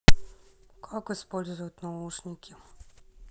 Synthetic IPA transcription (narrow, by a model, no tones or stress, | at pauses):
kʰakɔispɔlʲzʊjʊt̪ʲnauʂnʲikʲʰi